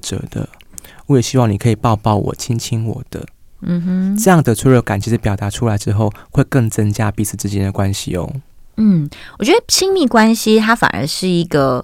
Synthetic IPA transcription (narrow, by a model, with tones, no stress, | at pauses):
ʈ͡ʂə̰˧˥d̪ə̰˨ | wɔ˧˦jɛ˨˩ɕi˦wɑ˥˩ŋni˨˩kʰɤ˧˥i˨˩pɑ˥˧ʊpɑ˥˨˩ʊwɔ̰˨˩t͡ɕʰi˦ŋt͡ɕʰi˥ŋwɔ̰˨˩d̪̥ə̰˦ | n̩˧mm̩˦ʈ͡ʂɤ˥˧jɑ˥˩ŋd̪ə˩t͡sʰwe˥ɻo˧˥˩ka˨˩nt͡ɕʰi˧˥ʂ̩˧˩pjʊt̪a˨˧˥ʈ͡ʂʰu˥la˧˥ɪʈ͡ʂɻ̩˥˦xo˥˨ʊxwe˥˧ɪkə˥˩ŋt͡sə˦ŋt͡ɕja˦˥pi˥˧sɹ̩˥˩t͡sɹ̩˥˧t͡ɕjɛ˥nd̪ə˨kwa˦nɕḭ˨o̰˦n̩˥˩wɔ˨˩t͡ɕɥɛ˧˥d̪ə˧t͡ɕʰi˥ŋmi˥˩kwa˥nɕi˧t̪ʰa˥fa̰˨˩nə̰˧˦ʂɻ̩˥˩i˧˥ɡə˧